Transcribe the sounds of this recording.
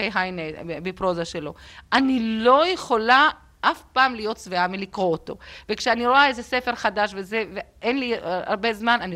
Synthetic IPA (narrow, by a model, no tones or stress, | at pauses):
ejɦajneebepʁo̞zaʃelo̞ʔanilo̞jeχo̞la | ʔafpaːmlijo̞tt͡sveamilikʁo̞ːto̞̰ve̞kʃeaniɾo̞ae̞zese̞fe̞ʁχadaʃvezeveʔenlia̰ʁbe̞zmanani